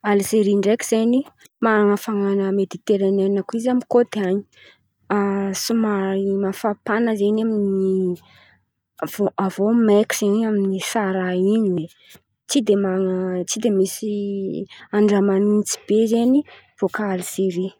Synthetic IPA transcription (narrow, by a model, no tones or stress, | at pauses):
alseɾiɳɖ͡ʐekʲiz̥eni | maɾaŋəfaŋanəmed̪it̪eɾanenakuizamikod̪eaɲi̥ | asumaɾimafapanəzeɲamini | voʔavomeki̥z̥eɲaminisaɾaiɲie | t͡sid̪emaŋt͡sid̪emisi | aɳɖ͡ʐamanit͡si̥b̥ezeni | v̥okaaliseɾi